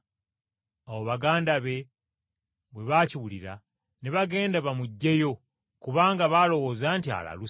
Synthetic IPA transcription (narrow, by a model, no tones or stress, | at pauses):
awo̞βaɡaːndaβe̞ | βweβaciβuliɾa̰ | neβaɡe̞ːndaβamuɟːe̞jo̞ | kuβaːŋɡaβalo̞wo̞zaːntia̰la̰lu